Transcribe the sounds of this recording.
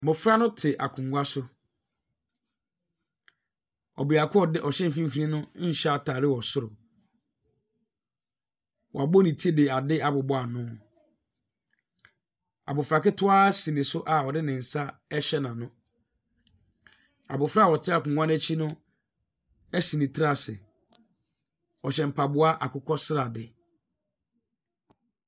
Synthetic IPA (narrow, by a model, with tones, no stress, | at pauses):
bʊ˨fɾa˦nʊ̃˦tʰɪ˨ʔa̰˨kʰũ˨ŋɡʷa˦sʊ˦ | ɔ̰˨bi˨a˨kʰʊ˦ɔ˨dɪ˦ʔɔ˨ɕɛ̃˦m̩˨fĩ˦m̩˦fi˨nĩ˦nʊ̃˦ɕa˦tʰaː˨ɾɪ˦wɔ˨sʊ˦ɾʊ˨ | wɔ̰˨a˨bɔ˦nĩ˨tʰi˦dɪ˨a˨dɪ˦a˨bʊ˨bɔ˦a˨nʊ̃˦ | a̰˨bʊ˨fɾa˨kɪ˦tʰʊ˦a˦sĩ˨nɪ̃˨sʊ˦ʔa˨ɔ˨dɪ˦nɪ̃˨n̩˨sa˦ɛ˦ɕɛ˦nã˨nʊ̃˦ | a̰˨bʊ˨fɾa˦˨ɔ˨tʰɪ˦a˨kʊ˨ŋʷã˦nɛ˦t͡ɕʰi˦nʊ̃˦ | æ˦sĩ˨nĩ˨tʰɾa˨sɪ˨ | ɔ˨ɕɛ˨m̩˨pʰa˨bʊ˦a˦ʔa˨kʰʊ˦kʰɔ˦sɪ˦ɾa˨dɪ˨